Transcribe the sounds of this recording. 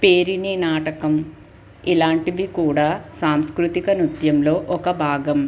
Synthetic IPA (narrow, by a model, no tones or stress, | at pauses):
peːɾininaːʈɐkɐm | ilaːɳʈiʋikuːɽaːsaːmskɾut̪ikɐnut̪jɐmlo̞ːʔɔkɐbʱaːɡɐm